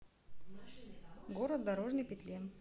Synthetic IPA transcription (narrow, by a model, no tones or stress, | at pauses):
ɡoɾət̪̚d̪ɐɾoʐnɨjpʲɪt̪ʲlʲen